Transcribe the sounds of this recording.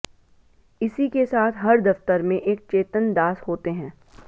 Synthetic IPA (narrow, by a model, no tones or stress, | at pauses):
ɪsikesaːt̪ʰɦɐɾd̪ɐft̪əɾmẽʔeːk̚t͡ʃeːt̪ənd̪aːsɦoːt̪eɦɛ̃ː